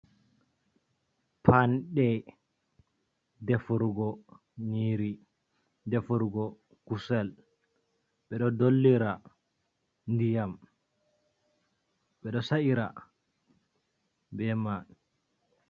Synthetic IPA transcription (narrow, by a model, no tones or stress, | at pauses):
pʰanɗɛ | dɛfuɾɡɔ | niɾi | dɛfuɾɡɔ | kusɛl | ɓɛɗɔdolːiɾa | ndijam | ɓɛɗɔsaʔiɾa̰ | bɛma